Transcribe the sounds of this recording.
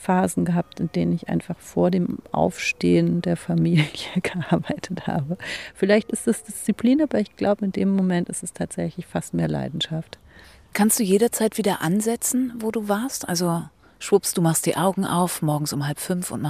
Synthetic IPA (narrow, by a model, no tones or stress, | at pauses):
faːzn̩ɡəɦap̚tɪndeːnənɪçʔa̰ɪnfaχfoːɐdeːmʔa̰ʊfʃteːəndeːɐfamiːljəɡ̥əʔʔaɐbaɪtʰətha̰ːbəfɪlaɪçtɪsd̥asd̥ɪst͡sipʰliːnʔaːbɐɪçɡ̥laʊbəɪndeːmːomɛntɪstɛstʰaːtz̥ɛçlɪçfastmeːɐla̰ɪdn̩ʃaft | kʰanstd̥uːjeːɾɐt͡saɪtv̥iːdɐʔanzɛt͡sn̩voːduːvaɐstʔa̰lzo | ʃv̥ʊpstd̥uːmaχstd̥ḭːʔaʊɡŋ̩ʔa̰ʊfmɔɐɡŋ̩sʊmhalpfʏnfʊ̰ntma